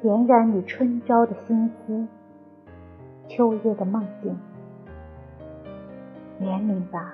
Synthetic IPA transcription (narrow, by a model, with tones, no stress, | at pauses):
ljɛ˧˥nɻa˧˥ny˨˩ʈ͡ʂʰwə˥nʈ͡ʂɑ˥ʊd̪ə˨ɕi˥nxu˥ | t͡ɕʰjo˥ʊjɛ˥˩d̪ə˩mɑ˥˧ŋt̪i˥˩ŋ | njɛ˧˥nmi˧˥ŋba˧